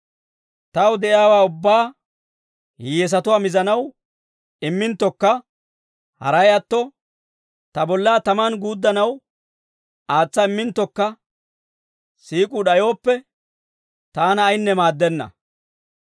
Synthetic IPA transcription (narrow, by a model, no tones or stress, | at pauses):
t̪ɐwd̪ɛʔɪjaːwaːʊbːaː | hɛs̬ɐt̪ʊwaːmɪzɐnɐw | ɪmːɪnt̪ːɔkːɐ | hɐ̰ɾɐjɐt̪ːɔ | t̪ɐbɔlːaːt̪ɐmɐnɡuːd̪ːɐnɐw | aːt͡sːɐɪmːɪnt̪ːɔkːɐ | siːkʼʊɗɐjo̞ːpːɛ | t̪aːnɐːjnːɛmaːd̪ːɛnːɐ̰